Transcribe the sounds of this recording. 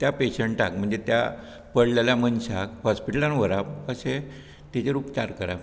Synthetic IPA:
t̪japeɕəɳʈʈakm̤əɳd͡zet̪ja̰ | pəɽleljamənsakhɔspiʈəlanʋəɾapəse | t̪et͡ɕeɾuːpt͡ɕaɾkəɾa̰

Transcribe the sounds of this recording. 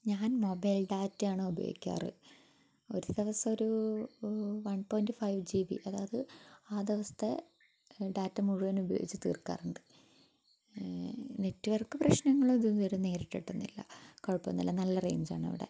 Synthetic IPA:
ɲaːnmo̞bɐjlɖaːtːjaːɳɨubɐjo̰ːɡikʲːa̰ːrɨ̰ | o̞ɾuðeʋɐsɐoɾu | ʋɐnpo̞ːjndfɐjʋd͡ʑiːʋḭʔɐðaːɐðɨaːd̪eʋɐst̪ʰe | ɖaːtːɐmuɻuʋɐnubɐjoːɡit͡ɕːɨt̪ḭːrkːa̰ːruɳɖɨ̥ | netːuʋɐrkɨprɐɕnɐŋːɐɭomiðunoɾune̞ːɾiʈːiʈːunːilːɐ̰koɻpːɐnːɐ̰lːɐnɐlːɐrḛːɲd͡ʑa̰ːɳɐ̰ʋḭɽḛ

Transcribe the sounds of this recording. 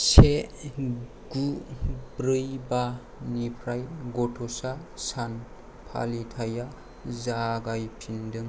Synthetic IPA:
se | ɡ̥ubɾɯjba | nipʰɾajɡɔtʰɔsasan | pʰa̰litʰaja | zaɡajpʰindɯŋ

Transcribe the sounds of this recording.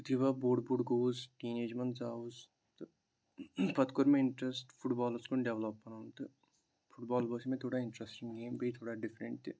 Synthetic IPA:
t̪iʋaboːɽɖbuɖɡoːzʈiːneːd͡ʒmɐnzaːuz | t̪ | pɐt̪kʊɾmẽɪɳʈɾesʈpʰʊʈbaːləskonɖeʋlɐpːɐnaːnt̪ɨ | pʰʊʈbaːlboːsimẽt̪ʰoːɽaːɪ̃ɳʈɾesʈɪ̃ŋɡɡeːmpeit̪ʰoːɽaːɖɪfɾeɳʈ̪i

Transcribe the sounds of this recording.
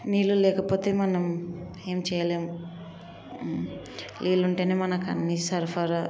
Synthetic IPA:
niːlulɛːkɐpo̞ːt̪e̞ːmɐnɐm | e̞ːmt͡ʃɛːjɐleːmu | lʔiːluɳʈeːneːmɐnɐkɐ̰nːisɐɾpʰaɾa

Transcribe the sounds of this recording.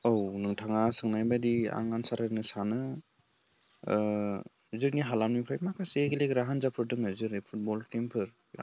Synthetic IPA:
ownɯŋtʰaŋasɯŋnajbadia̰ŋansaɾhanɯsanɯ | zɯɾniɦalamnipʰɾajmakʰaseɡilekɾaɦanzapʰɯɾdɯŋɯzɯɾipʰut̚bɔlkempʰɯɾ̰

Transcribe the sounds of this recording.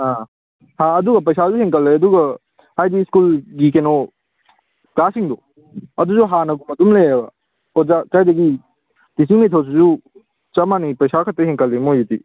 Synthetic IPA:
hã | hãɐduɡɐp̬ɐjsazuheŋkɐlːeɐduɡɐ | ajdiskulɡikeno | kasiŋdɔ | ɐduzuɦanɐɡumɐdumlejabɐ | ɔzakajdɐɡi | tis̬iŋnetʰaws̬izu | t͡ʃɐmanipɐjsakʰɐt̚ːɐheŋkɐldemojiti

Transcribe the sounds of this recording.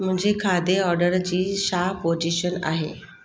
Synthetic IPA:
mʊ̃ɦɪ̃ɲd͡ʑekʰaːd̪eɔːɾɖəɾd͡ʑiːʃapod͡ʑiʃəna̰ːɦḛː

